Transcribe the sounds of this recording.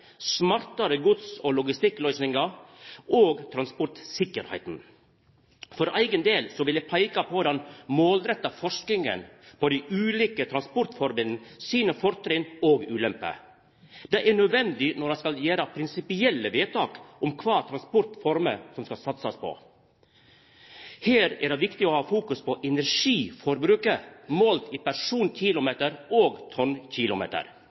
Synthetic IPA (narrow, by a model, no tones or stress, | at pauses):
smɑɾt̪ɑɾəɡʊd̪sɔlʊɡɪst̪ɪkːlœʏsnɪŋɑʔoːɡt̪ʰɾɑnspɔɾt̪sɪkːəɾhæ̰ɪt̪n̩ | fɔɾæɪɡənd̪eːlsɔʋɪlæɪpʰæɪkɑpʰɔd̪ɑnmoːld̪ɾɛt̪ːɑfɔʂkɪŋə̰npʰɔd̪æɪʔʉːliːkət̪ʰɾɑnspɔɾt̪fɔɾmənn̩siːnəfɔɾt̪ɾɪnoːɡʉːlɛmpə̰ | d̪ɛɪɛɳœd̪ʋɛnd̪ɪnɔɾɑskɑljeːɾəpʰɾɪnsɪpɪɛlːəʋeːt̪ʰɑːkʔɔmkʰʋɑːt̪ʰɾɑnspɔɾt̪fɔɾməsɔmskɑsɑt̪sɑspʰɔ̰ | heːɾɛ̰ɖɛʋɪkt̪ɪɔhɑːfuːkʉspɔʔɛnæɾʂiːfɔɾbɾʉːkəmoːlt̪iːpæɾʂuːnc͡çʰɪːlʊmeːt̪əɾoːɡt̪ʰɔnçɪlʊmḛːt̪ə̰ɾ